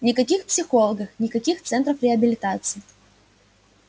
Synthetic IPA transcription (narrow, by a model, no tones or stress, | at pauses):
nʲɪkɐkʲixpsʲɪxo̞lˠəɡəxnʲɪkɐkʲixt̪sɛnt̪ɾəfɾʲɪɐbʲɪlʲɪt̪at̪sɨɪ